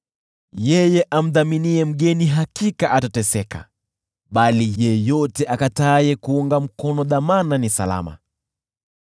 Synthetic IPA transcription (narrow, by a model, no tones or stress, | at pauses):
jɛjɛʔam̩ðaminiɛm̩ɠɛniɦakikaʔatatɛsɛka̰ | ɓalijɛjɔtɛʔakataːjɛkuuŋɡam̩kɔnɔðamananisa̰la̰ma̰